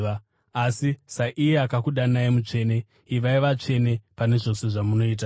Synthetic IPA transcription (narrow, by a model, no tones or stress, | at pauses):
a | asisaʔijeakakuɗanajemut͡ʂe̞ːne̞ | iʋaiʋat͡ʂe̞ne̞pane̞ʐo̞se̞ʐamuno̞iːt̬a